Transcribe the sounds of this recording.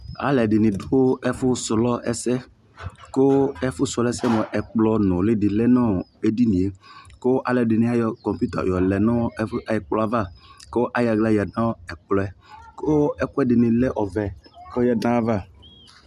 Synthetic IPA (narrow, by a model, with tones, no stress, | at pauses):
a̰˨lɛ˨dɪ˨nɪ̃˨do˦ɛ˦fʊ˦slɔ˦ɛ̰˦sɛ˦ | ko˦ɛ˦fʊ˦sɔ˨lɛ˦sɛ˦mɔ̃˨ʔɛ˨k͡plɔ˨nɔ̃˨lɪ˦dɪ˨lɛ˦nɔ̃˦˨e˦di˦nĩ˨e˨ko˦ʔa˨lɛ˨dɪ˨nɪ̃˨˦a˦jɔ˨kɔ˨pu˦t̪a̰˨jɔ˨lɛ˨nɔ̃˦a˨jɪ˨k͡plɔ˦a˦va˦˨ko˦ʔa˦ja˨ɡla˦jɛ˨nã˦ɛ˨k͡plɔ˨ɛ˨kʊ˦ɛ˦kʊ˦ɛ˦dɪ˨nɪ̃˨lɛ˦ʔɔ˨vɛ˨ko˦jɛ˦nã˦va˦˨